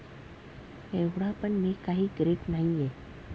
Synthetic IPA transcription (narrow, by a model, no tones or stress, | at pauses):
eʋɽapəɳmikaɦiːkɾeʈnaɦie